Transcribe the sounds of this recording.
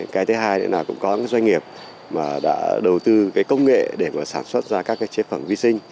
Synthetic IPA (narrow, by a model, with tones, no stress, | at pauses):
kaː˨˦jt̪ʰɨ˨˦ɦaː˧jnə̰˧˥naː˨˩kʊ̰˧˥ŋ͡mkɔ˨˦aː˨˦jzwa˧jŋ̟ŋi˨˩əp̚ | maː˨˩ɗa̰ː˧˥ɗə˨˩wt̪ɨ˧kaː˨˦jkə˧wŋ͡mŋḛ˧˨ɗe˧˩maː˨˩saː˧˩nswə˦˥t̚zaː˧kaː˦˥kːaː˨˦jt͡ɕe˨˦fə˧˩mvi˧sï˧ŋ̟